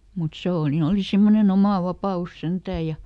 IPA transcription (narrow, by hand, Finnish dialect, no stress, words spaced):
mut seˑ o ni oli simːonen omɑˑ ʋɑpɑus sentæːj̆ jɑ